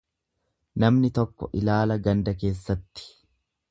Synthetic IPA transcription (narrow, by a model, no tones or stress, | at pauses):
nɐmnɪt̪ɔkːɔ̰ʔɪlaːlɐɡɐnd̪ɐk̬e̞ːsːɐt̪ːɪ̥